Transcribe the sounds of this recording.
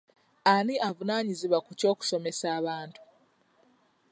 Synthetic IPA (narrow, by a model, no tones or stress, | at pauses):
aniʔavunaːɲiziβwakuco̞ːku̥so̞me̞saːβaːntu̥